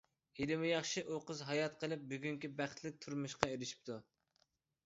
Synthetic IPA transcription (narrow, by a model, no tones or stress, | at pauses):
ilɪmɪjɑχʃiʔoqəzɦɑjɑt̪̚qʰəlˠɨp̚byɡʲyŋkʲibæχt̪ʰlɪk̚ʲt̪ʰuɾmuʃqɑeɾɪʃi̥p̚t̪ʰu